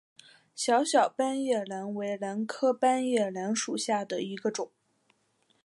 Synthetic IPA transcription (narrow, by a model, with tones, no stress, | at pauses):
ɕjɑ˧˥ʊɕjɑ˨˩ʊpa˥njɛ˥˩la˧˥nwe˧˥ɪla˧˥nkʰɤ˥pa˥njɛ˥˩la˧˥nʂu˨˩ɕja˥˩d̪ə˩i˧˥ɡə˧ʈ͡ʂʊ˨˩˦ŋ